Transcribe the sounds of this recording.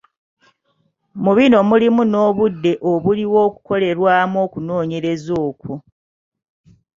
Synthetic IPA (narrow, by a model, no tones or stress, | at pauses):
muβino̞mulimuno̞ːβudːe̞ʔoβuliwo̞ːku̥ko̞le̞ɾwaːmo̞ːkuno̞ːɲe̞ɾe̞zoːku